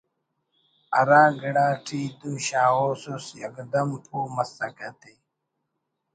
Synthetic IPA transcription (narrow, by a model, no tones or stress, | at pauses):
ɐɾaːɡiɽaːʈʰiːt̪ũːɕaːwoːsusjɐ̰kd̪ɐmpʰuːmɐst̪ɐkɐt̪e